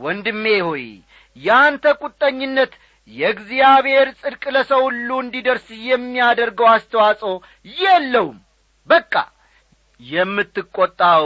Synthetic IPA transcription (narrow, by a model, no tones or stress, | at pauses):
wɔnd̪ɨmːehoj | jɛant̪ʰəkʼut̪ʼːəɲːɪnːət̪ | jɛɡzijaβhe̞ɾsʼɨd̪kʼləsəwhulːuɨnd̪id̪əɾsjɛmːijad̪əɾɡəwast̪ʰəwasʼow | jɛlːəwm | bəkʼːa̰ | jɛmːɨt̪ːɨkʼːot̪ʼːa